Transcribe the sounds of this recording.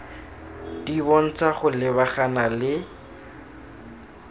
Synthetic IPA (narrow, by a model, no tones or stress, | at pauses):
d̥ibɔn̩t͡saχʊlɪbaχanalɪ